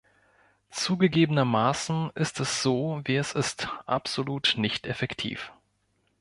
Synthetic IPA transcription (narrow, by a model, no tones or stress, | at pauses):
t͡suːɡəɡeːbənɐmaːsn̩ʔɪstʰɛsz̥oːviːɛsɪstʔa̰pz̥oluːtnɪçtɛfɛktʰḭːf